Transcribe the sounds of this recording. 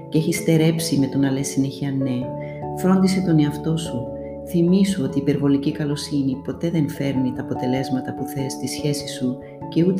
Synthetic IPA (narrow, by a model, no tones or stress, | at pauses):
ceçist̪e̞ɾe̞psime̞t̪o̞nɐle̞sːineçiɐne̞ | fɾo̞nd̪ise̞t̪o̞ne̞ɐft̪o̞su | θimisuo̞t̪iːpe̞ɾvo̞licikɐlo̞sinipo̞t̪e̞ðe̞nfe̞ɾnit̪ɐːpo̞t̪e̞le̞zmɐt̪ɐpuθe̞st̪isçe̞si̥su | ce̞ut̪